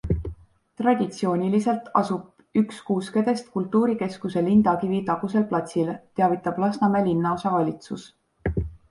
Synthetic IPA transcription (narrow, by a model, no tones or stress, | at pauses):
t̪rɑd̪̥ʲit̪sio̞ːnʲilise̞lt̪ɑ̰sub̥ | ykskuːske̞d̪̥e̞st̪̚kult̪ːˑuːɾike̞skuse̞lind̪ɑkivit̪ɑɡ̥us̬e̞lplɑt̪silt̪eɑvit̪ːˑɑb̥lɑsnɑmelinːɑo̞sɑvɑlʲit̪sus